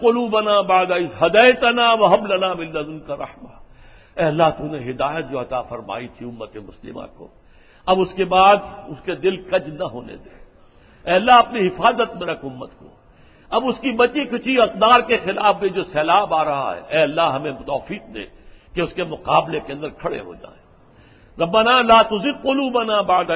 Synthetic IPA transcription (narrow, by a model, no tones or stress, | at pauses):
qʊluːbɐnaːbaːd̪aɪsɦɐd̪ɐɪt̪ɐnaʋɐɦɐmlɐnaːmɪlːɐmɪnkaɾɐ̰hma | ɛːɐlːaɦt̪uneɦɪd̪aːjət̪̚d͡ʒoːɐt̪aːfɐɾma̰ːit̪ʰiʊmːət̪emʊslɪ̰mã̰ko̰ː | ɐbʊskebaːd̪ʊsked̪ɪlkɐd͡ʒnɐɦo̰ːnḛd̪eː | ɛːɐlːaɦɐpniɦɪfaːzət̪̚mẽɾɐkʰʊmːət̪ko̰ː | ɐbʊskibɐt͡ʃikʰʊt͡ʃʰiɐq̚d̪aːɾkexɪlaːfbẽd͡ʒoːsɛːlaːbaːɾɐɦa̰ɦɛ̰ʔɛːɐlːaɦɐmẽt̪ɔːfiːq̚d̪ḛ̃ːkeʊskemʊqaːblekeɐ̃nd̪əɾkʰɐɽḛɦo̰ːd͡ʒa̰ːẽː | ɾɐbːanaːlaːt̪ʊzɪd̪̚qʊluːbɐnabad̪